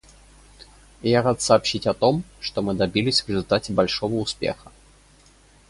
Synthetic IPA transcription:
jaɾat̪sɐːpɕitʲɐt̪o̞mʂt̪omɨd̪ɐbʲilʲɪsʲvɾʲɪzʊlʲt̪atʲɪbɐlʲʂovəʊspʲḛxə̥

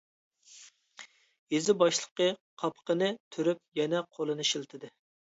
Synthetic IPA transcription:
jezɪbɑʃlˠə̥qəqʰɑpqənɨt̪ʰyɾyp̚jɛnɛqʰolˠɨnɨʃilt̪ʰɨd̪ɨ

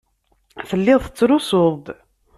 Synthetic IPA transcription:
θəlːɪðˤθə̥t͡sːɾʊsʊðˤd̪

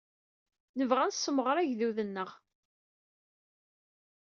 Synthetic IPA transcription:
nəvʁænsːəməʁɾˤæʝðuðənːəʁ

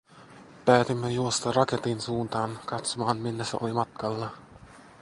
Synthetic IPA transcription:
pæːt̪imːejuost̪ɑrɑket̪insuːnt̪ɑːnkɑt̪somɑːnmilːæsḛo̰limɑt̪kɑlːɑ

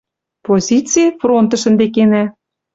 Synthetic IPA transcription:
pozʲit͡sijəfront̪ə̆ʃə̆nd̪ekenæ

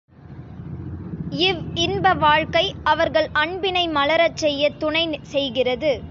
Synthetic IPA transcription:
ɪʋɪnbɐʋaːɻkɐɪɐʋɐɾɣɐɭɐɳbɪnɐɪmɐlɐɾɐt͡ʃːɛjːɐt̪ʊɳɐɪsɛjɣɪrɐðɯ

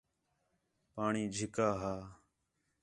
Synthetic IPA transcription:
paːɳiːd͡ʒʱɪkaːɦaː

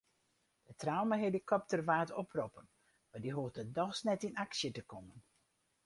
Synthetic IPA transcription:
dətrawməɦelikʰɔp̚tərʋaːtɔpʰrɔpən | madiɦuətədɔxsnɛtinaksjətəkɔmən

